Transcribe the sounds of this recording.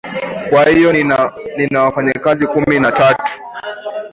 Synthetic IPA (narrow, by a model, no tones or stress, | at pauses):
kwahijɔninawafaɲakazikuminatatu̥